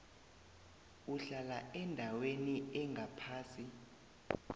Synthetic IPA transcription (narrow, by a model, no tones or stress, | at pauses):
uɬalaɛndʱaweniɛŋɡʱapʰaːsi